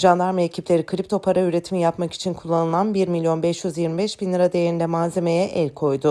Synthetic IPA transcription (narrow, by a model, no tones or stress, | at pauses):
ʒand̪aɾmeecʰiplʲe̞ɾikʰɯɾip̚t̪ʰo̞pʰaɾayɾe̞t̪ʰimjapmaki̥t͡ʃʰinkʰulˠːanɯlˠanbiɾmilʲjo̞nbɛʃjyzjiɾmibɛʃbinʲˠiɾad̪ejeɾind̪ɛmaːze̞mejɛʔɛlʲkʰo̞jd̪ʊ